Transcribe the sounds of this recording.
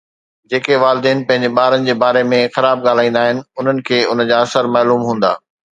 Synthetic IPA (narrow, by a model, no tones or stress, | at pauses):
d͡ʑeːkeʋaːlɪd̪eːnɪpɐ̃ɦɪ̃ɲd͡ʑeɓaːɾənɪ̆d͡ʑeːbaːɾemẽxɐɾaːb̚ɠaːl̤aːĩːnd̪aːɦɪnɪ̆ʊn̤ənɪ̆kʰeːʊnəd͡ʑaːɐsəɾmaːluːmɦũːn̆d̪a̰ː